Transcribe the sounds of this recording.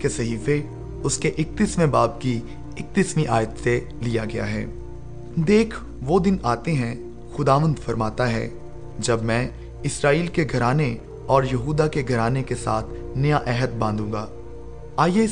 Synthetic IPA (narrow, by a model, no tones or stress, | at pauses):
kesɐɦiːfe | ʊskeʔɪk̚t̪ɪsmẽbaːb̚ki | ɪk̚t̪ismiʔaːjət̪se | lijaɡɐja̰ɦɛ̰ː | d̪eːkʰ | ʋod̪ɪnaːt̪eɦɛ̃ | xʊd̪aːʋə̃nd̪fɐɾmaːt̪aɦɛ̰ː | d͡ʒɐbmɛ̃ː | ɪsɾaːiːlkeɡʱɐɾaːne | ɔːɾjɐɦuːd̪akeɡʱɐɾaːnekesa̰ːt̪ʰnɐjaʔɛːɦət̪̚bãːnd̪ũːŋɡaː | aːje